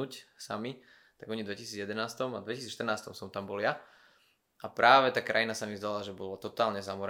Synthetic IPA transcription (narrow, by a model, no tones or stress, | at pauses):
uːcsa̰mi | t̪aɡɔɲid̪ʋɛcisiːd͡zjɛd̪ɛnaːst̪ɔmad̪ʋɛcisiːt͡sʃt̪r̩naːst̪ɔmsɔmt̪ambɔlja | ʔapɾaːʋɛt̪aːkɾa̰jinasamizd̪alaʒɛbɔlɔt̪ɔt̪aːlɲɛzamɔɾ